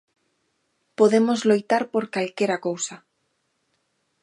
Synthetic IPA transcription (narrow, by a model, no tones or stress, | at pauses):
poðemozlojt̪aɾpoɾkalkeɾakowsa